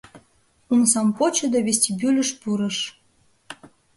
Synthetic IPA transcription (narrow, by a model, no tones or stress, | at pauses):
unsɑmpot͡ɕŏd̪oβesʲtʲibylʲə̆ʃpuɾɤ̆ʃ